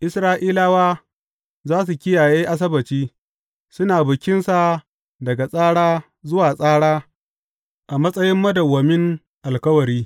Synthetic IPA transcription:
ʔɪ˦sɾaː˦ʔiː˦laː˦waː˦ | zaː˦s̬u˨kʲɪ˦jaː˨jeː˦ʔa˦s̬ɐ˦bɐ˨t͡ʃiː˦ | sʊ˦naː˨bʊ˨kʲɪ˦nsa˨ | dɐ˨ɡa˨sʼaː˦ɽaː˦ | zʊ˦waː˨sʼaː˦ɽaː˦ | ʔa˨mɐ˦sʼɐ˦jɪ˦mːɐ˦dɐ˨wɐ˨mɪ˦ŋ | ʔa˨lkɐ˦wɐ˨ɾiː˦

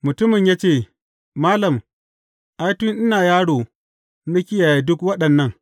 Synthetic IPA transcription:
mʊ˨tʊ˦mɪ˨ɲjaː˦t͡ʃeː˦˨ | maː˦lɐ˨m | ʔa˦jtʊ˦nʔɪ˦naː˨jaː˦ɽoː˨˦ | nɐ˦kʲɪ˦ja˨ja˨dʊ˦kwɐ˦ɗɐ˨nːɐ˦˨ŋ

